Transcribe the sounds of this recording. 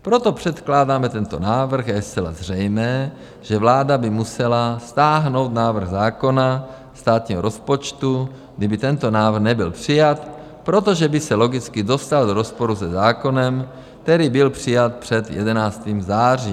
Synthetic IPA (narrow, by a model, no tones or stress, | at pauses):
pɾo̞t̪o̞pr̝̥ɛt̪klaːdaːmɛt̪ɛnt̪onaːvr̩xjajɛst͡sɛla̰zr̝ɛjmɛː | ʒ̥ɛvlaːdabɪmusɛlast̪aːɦno̞wt̪naːvr̩ɣzaːko̞na | st̪aːt̪ɲiːɦoɾʔospot͡ʃt̪u | ɡdibɪt̪ɛnt̪onaːvr̩ɣxnɛbɪlpr̝̥ɪjat̪ | pɾo̞t̪oʒɛbɪsɛlo̞ɡɪt͡skɪdo̞st̪aldoɾospo̞ɾusɛzaːko̞nɛm | k̚t̪ɛɾiːbɪlpr̝̥ɪjat̪̚pr̝̥ɛd̪jɛ̰dɛnaːst̪iːmzaːr̝iː